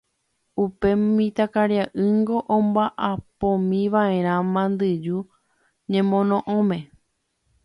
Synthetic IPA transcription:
upe̞mĩt̪akaɾjaʔɨŋɡo̞ʔõmbaʔapõmĩʋaẽ̞ɾ̃ãmãnd̪ɨd͡ʒu | ɲẽmõ̞nõ̞ʔõmẽ̞

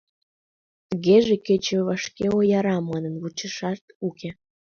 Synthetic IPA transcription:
t̪əɣeʒeket͡ɕeβɑʃkeojɑɾɑmɑnə̆nβut͡ɕəʃɑʃt̪uke

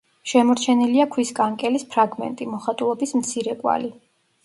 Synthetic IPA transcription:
ʃɛmɔɾt͡ʃʰɛniliakʰwiskʼaŋkʼɛlispʰɾaɡmɛ̰nt̪ʼimɔχat̪ʼulˠɔbismt̪sʰiɾɛkʼwa̰li

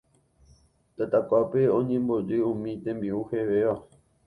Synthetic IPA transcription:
t̪at̪akʷapeõɲẽmbo̞d͡ʒɨũmĩt̪ẽmbiuheʋeʋa

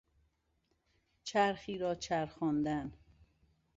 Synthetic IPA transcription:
t͡ʃʰæɾxiːɾɒːt͡ʃʰæɾxɒːnd̪æn

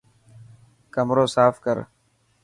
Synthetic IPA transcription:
kəmɾoːsaːfkəɾ

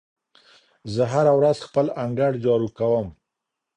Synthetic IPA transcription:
zəɦaɾawɾazxpəlaŋɡaɽd͡ʒɑɾukawəm

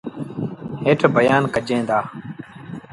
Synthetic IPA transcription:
ɦeːʈʰbəjaːnkəd͡ʒẽːd̪aː

